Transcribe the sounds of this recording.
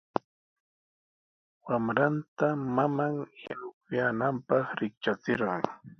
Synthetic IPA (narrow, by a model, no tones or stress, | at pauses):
wamɾant̪amamaŋja̰nʊk̚ʊjanampɑχɾɪk̚t͡ʃat͡sɪɾɢɑ̰ŋ